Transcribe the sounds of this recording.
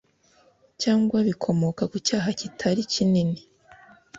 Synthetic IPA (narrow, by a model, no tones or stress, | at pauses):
caːŋɡwaβikʰo̞mo̞kakucaːɦacitʰaɾicinini